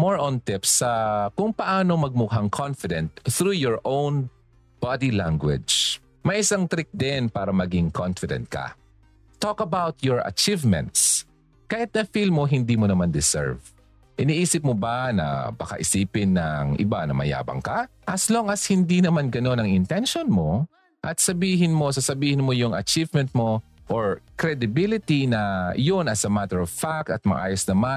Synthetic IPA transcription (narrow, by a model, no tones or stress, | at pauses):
moɹʔont̪ɪpsɐkʊŋpɐʔaːnomɐɡ̚mʊɦaŋkʰɔnfɪd̪ɛnt̪θɾujɔɹʔõwn | b̥ad̪ilaŋɡwɛ̰d͡ʒ | mɐjʔɪsaŋt̪ɾɪk̚d̪ɪnpaːɾɐmɐɡiŋkʰonfɪd̪ɛ̰nt̪̚kɐ̰ | t̪okɐbawt̪̚jɔɹɐ̰t͡ʃivmɛ̰̃nt̪s | kahɪt̪̚nɐfilmoɦɪnd̪imonɐmand̪ɪsɛ̰ɹv | ʔɪniːʔiːsɪp̚mobɐnɐ̰bɐka̰ʔɪsiːpɪnːɐŋʔɪ̰banɐmɐ̰ja̰ːbɐ̰ŋkɐ | ʔɐsloŋʔɐshɪnd̪inɐmanɡɐno̞nɐŋɪnt̪ɛnʃonmo | ʔɐt̪̚sɐbiːɦɪnmo̞sasɐbiːhɪnmojʊŋɐ̰t͡ʃivmɛnt̪̚mo | ʔoɹkɾɛd̪ɪbɪlɪt̪inɐjonɐsɐmat̪ɛɹɔvfak̚t̪ɐt̪̚mɐʔa̰ːjosnɐma